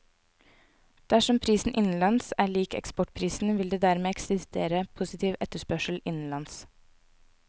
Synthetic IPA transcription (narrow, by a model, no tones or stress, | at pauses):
d̪̥æʃɔmpʰɾiːsn̩ʔɪnn̩lɑnsæːɭiːkɛ̰kspɔʈ̚pʰɾiːsn̩ʋɪld̪eːd̪æɾmeːɛksɪst̪eːɾəpʰʊsɪt̪ʰiːʋʔɛt̪əʃpœʃəl̩ʔɪnn̩lɑns